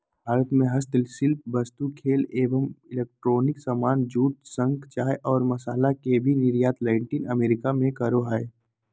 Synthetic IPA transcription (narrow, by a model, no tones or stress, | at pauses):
bʱaːɾət̪mẽɦəst̪lsɪlp̚bɐst̪ukʰeːleːʋəmɪleːk̚ʈɾoːnɪksamaːnd͡ʒuːt̪̚sə̃ŋɡt͡ʃaːjʔɔːɾmɐsaːlakebʱinɪɾjaːt̪laːɪɳʈɪnɐmeːɾɪkamẽkɐɾoɦae